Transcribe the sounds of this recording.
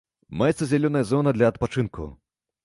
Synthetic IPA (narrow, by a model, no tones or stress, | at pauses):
majɛt̪sɐzʲalʲɔnɐjɐzɔnɐd̪lʲɐːt̪̚pat͡ʂɨnkṵ